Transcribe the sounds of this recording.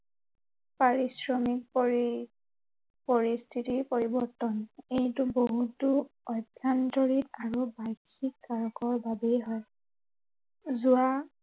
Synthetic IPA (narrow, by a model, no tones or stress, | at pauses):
paɹisɹɔmik̚ | pɔɹist̪ʰitiɹpɔɹibɔɹtɔnejtʊboɦutuɔdʱjantɔɹitaɹubajkʰikːaɹɔkɔɹbabejɦɔj | zʊa